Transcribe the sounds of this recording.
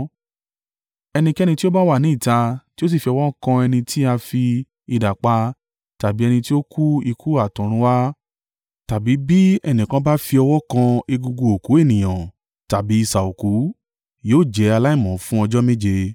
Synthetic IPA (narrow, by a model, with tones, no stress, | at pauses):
ɛ˧nĩ˧kɛ˦˧nĩ˧ti˦o˦ba˦wa˦˨nĩ˨˦i˦˨ta˧ti˦o˦s̬i˦˨fi˧ɔ˧wɔ˦kã˧ɛ˧nĩ˧tʰi˦a˧fi˧ | i˧da˨k͡pa˧ | ta˨bi˨˦ɛ˧nĩ˧ti˦o˦kʰu˦i˧kʰu˦a˦˨tũ˨ɾ̃ũ˧˦wa˦ | ta˨bi˨˦bi˦ɛ˧nĩ˨kã˧ba˦fi˧ɔ˧wɔ˦kã˧e˧ɡu˧ɡu˧o˨ku˨˦e˦˨nĩ˨j̃ã˨ | ta˨bi˨˦i˦˨sa˨o˨ku˨˦ | joː˦˨d͡ʒɛ˨˦a˧la˦i˦˨mɔ̃˨˦fũ˦ɔ˧d͡ʒɔ˦me˦d͡ʒe˧